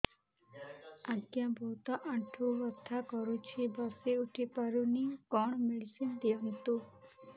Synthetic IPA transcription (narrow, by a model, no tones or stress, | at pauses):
aɡjãbʱɔt̪ɔʔãʈʰuʋɔt̪ʰːakɔɾut͡ʃʰibaseuʈʰipaɾunikɔɳ̃meɽisind̪eɔnt̪u